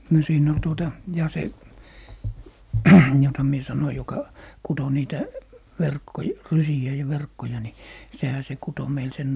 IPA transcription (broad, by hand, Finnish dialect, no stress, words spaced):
no siːn ol tuotɑ jɑ se jotɑ mie sɑnoi jokɑ kuto niːtæ ʋerkːoj rysiæ jɑ ʋerkːojɑ ni sehæ se kuto meil sen